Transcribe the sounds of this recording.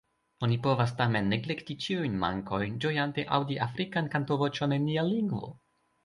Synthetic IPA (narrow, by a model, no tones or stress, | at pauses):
o̞nipo̞vastame̞nːeɡlektit͡ʃiujnma̰ŋko̞jnd͡ʒo̞jant̪e̞ʔa̰wdiʔafɾikankantovo̞t͡ʃonenialiŋɡvo̞̰